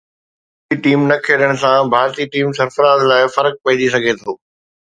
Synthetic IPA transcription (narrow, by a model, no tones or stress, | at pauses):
iʈiːmnɐkʰeːɾəɽ̃ʊ̆sãbʱaːɾt̪iʈiːmsɐɾfəɾaːd̪laːɪfɐɾək̚pɐɪ̃d͡ʑis̬ɐɡʱet̪ʰoː